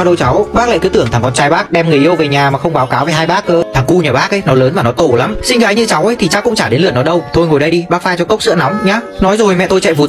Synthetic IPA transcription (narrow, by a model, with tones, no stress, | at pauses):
a˧wɗə˧wt͡ɕa˨˦wɓaː˦˥k̚la̰ː˧˨kɨː˨˦t̪ɨ˧˩əŋʰa˨˩ŋkɔ˨˧nt͡ɕaː˧jɓaː˦˥k̚ɗɛ˧mŋɨ˨˩əʔi˧ə˧wve˨˩ɲaː˨˩maː˨˩xə˧wŋ͡mɓaː˨˦wkaː˨˦wve˨˩ɦaː˧jɓaː˦˥k̚əː˧˦t̪ʰa˨˩ŋku˧ɲaː˨˩ɓaː˦˥k̚ʔə˨˦jnɔ˨˦ləː˨˦nvaː˨˩nɔ˨˦t̪o˧˩la˨˦msï˧ŋɣaː˨˦jɲɨ̰˧t͡ɕa˨˦wʔə˨˦jt̪ʰi˨˩t͡ɕaː˦˥kʊ̰˧˥ŋ͡mt͡ɕaː˧˩ɗe˨˦nlɨ˧˨ənːɔ˨˦ɗə˧wt̪ʰo˧jŋo˨˩jɗə˧jɗi˧ɓaː˦˥k̚faː˧jt͡ɕɔ˧kə˦˥wk͡p̚sɨ̰˧˥na˨˦wŋ͡mɲaː˨˧˦nɔ˨˦jzo˨˩jmɛ̰˧˨t̪o˧jt͡ɕɛ̰˧˨vu˨˩